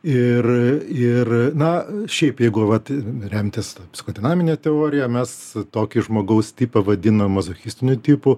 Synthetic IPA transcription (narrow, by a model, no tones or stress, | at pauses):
ɪrɪrnɐʃʲɛɪpjɛɪɡʊʋɐt̪ɾʲɛmʲt̪ʲɪst̪ɐpʲsʲɪ̥xoːd̪ʲɪnɑːmʲɪnʲeːt̪ʲɛoːɾʲɪjɛmʲɛst̪oːkʲɪʒmoːɡɐʊst̪ʲiːpɐʋɐd̪ʲɪnomːɐzoxʲisʲt̪ʲɪnʲʊt̪ʲiːpʊ